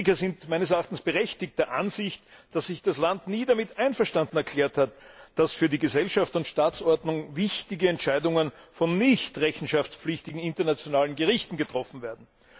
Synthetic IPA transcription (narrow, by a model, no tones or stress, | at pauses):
kɐzɪntmæɪnəsɛɐaχtn̩sb̥əʁɛçtɪkt̚d̥ɛːɐʔanzɪçtd̥asːɪçd̥aslantniːdamɪtʔæɪnfɛɐʃtãndn̩ɛɐkʰl̥ɛːɐthatd̥asfyːɐdiːɡəzɛlʃaftʊntʃtaːt͡sʔɔɐdnʊŋvɪçtɪɡəɛntʃæɪdʊŋən | fɔnːɪçtʁɛçn̩ʃaft͡spp͡flɪçtɪɡŋ̩ɪntɐnat͡sjonaːlənɡəʁɪçtn̩ɡətʁ̥ɔfn̩veːɐdn̩